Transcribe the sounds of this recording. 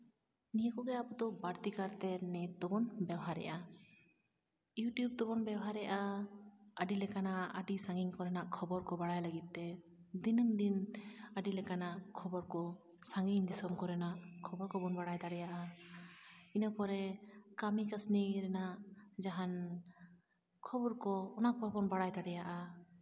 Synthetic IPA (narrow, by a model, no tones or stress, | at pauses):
nijakɔɡɛabɔt̪ɔbaɾt̪ikaɾt̪ɛnɛt̪d̪ɔbɔnbɛwɦaɾɛ̰ʔa | juʈjub̚t̪ɔbɔnbɛwɦaɾɛjʔa | əɖilɛkanaə̰ɖisaŋɡiŋkɔɾɛnaʔkʰɔbɔɾkɔbaɽajləɡit̪̚ːɛ | d̪inəmd̪inəɖilɛkanaʔkʰɔbɔɾkɔ | saŋɡiɲd̪isɔmkɔɾɛnaʔkʰɔbɔɾkɔbɔnbaɽajd̪aɽɛjaʔa | inəpɔɾɛkamikasniɾɛnaʔd͡ʒaɦan | kʰɔbɔɾkɔːnaʔkɔbabɔnbaɽajd̪aɽɛjaʔa